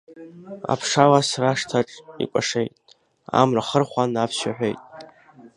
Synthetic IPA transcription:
a̰pʰʂalasraʂtʰaʈ͡ʂʼḭkʷʼaʂe̞jtʼ | a̰mraχərχʷanapʰʃaħᶣʷejtʼ

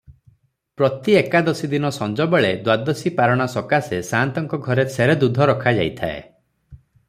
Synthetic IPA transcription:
pɾɔt̪iekad̪ɔsid̪inɔsɔnd͡ʒɔbeɭed̪wad̪ɔsipaɾɔɽ̃asɔkasesant̪ɔŋkɔɡʱɔɾesʰeɾed̪ud̪ʱɔɾɔkʰad͡ʒa̰jt̪ʰa̰ḛ

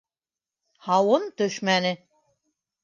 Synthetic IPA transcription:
hɑwɤnt̪ɵʃmænɘ

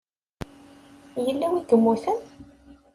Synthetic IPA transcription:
jəlːæwik̪əmːuθæn

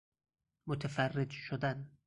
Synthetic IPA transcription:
mot̪ʰefærːed͡ʒʃod̪æn

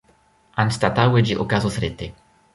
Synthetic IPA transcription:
anst̪at̪awed͡ʒiʔokazosɾɪt̪e

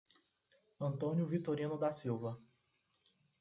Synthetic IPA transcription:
ɐ̃nt̪õnjʊvit̪oɾĩnʊd̪asiwvɐ

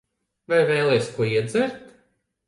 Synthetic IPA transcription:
vajvɛːlˠɛjsʲkuɔiɛd̪zæɾt̪

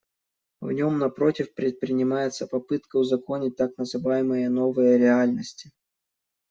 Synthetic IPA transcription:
vnʲo̞mnɐpɾo̞tʲɪfpɾʲɪt̪̚pɾʲɪnʲɪmajɪt̪səpɐpɨt̪kəʊzɐko̞nʲɪt̚ʲt̪aknəzɨvajɪmɨjənovɨjəɾʲɪalʲnəsʲtʲɪ

